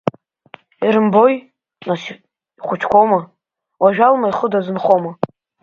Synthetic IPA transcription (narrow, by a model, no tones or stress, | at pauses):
iɾɨmboj | nas | iχʷʊt͡ʃʰkʷʰowma | waʒᶣalmajχədazɨnχoma